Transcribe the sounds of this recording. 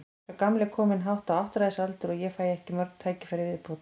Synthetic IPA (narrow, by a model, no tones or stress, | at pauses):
akamlɪkʰɔːmɪnɦawht̪awaht̪ɾaðɪsalt̪ʏɾɔjɛfaːjɛhcɪmœɾknt̪ʰaːjcɪ̥faːɾɪvɪðpʰɔːt̪